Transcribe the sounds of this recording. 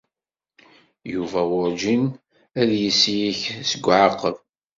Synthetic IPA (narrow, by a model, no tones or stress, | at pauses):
juvæwʊɾd͡ʒin | æðjisijiçsəɡʷːʕɑqːəv